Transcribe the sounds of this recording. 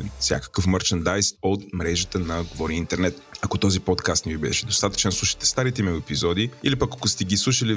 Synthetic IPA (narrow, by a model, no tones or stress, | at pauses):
fsʲja̰kə̥kəfməɾt͡ʃənd̪ajst̪ot̪̚mɾɛʒət̪ənɐɡovɔɾiint̪ɛɾnɛt̪ɐkot̪ɔzipɔt̪kast̪nɛvibɛ̰ɛʃɛd̪ost̪at̪ə̥t͡ʃɛnslˠuʃə̥t̪ɛ̥st̪aɾit̪ɛmɛɡoɛpizɔd̪iilipəkɐkost̪ɛɡislˠuʃəli